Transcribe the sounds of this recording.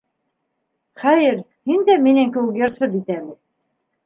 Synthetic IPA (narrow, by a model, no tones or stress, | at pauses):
χæjɘɾ | hind̪æminæŋkɘ̆wɘkjɤ̆ɾsɤb̪it̪ælɘ